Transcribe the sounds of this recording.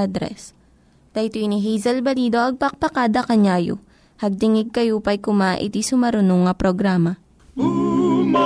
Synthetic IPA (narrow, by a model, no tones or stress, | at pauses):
ad̪ɾɛ̰s | t̪ɐjt̪uɪniɦijzɐlbɐliːd̪oʔɐɡ̚pɐk̚pɐkaːd̪ɐkɐɲaːjo̰ | hɐɡ̚t̪ɪŋɪɡ̚kɐjupɐjkʊmaʔɪ̰t̪isʊmɐɾʊnoŋɐpɾoɡɾaːmɐ